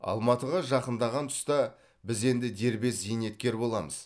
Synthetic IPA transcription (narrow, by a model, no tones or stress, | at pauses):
ɑ̰lˠmɑt̪əʁɑʒɑqənd̪ɑʁɑnt̪ʰʊ̥st̪ɑ | bɪze̞nd̪ɪd̪e̞ɾbe̞szijne̞t̪̚kʲe̞ɾbo̞lˠɑməz̥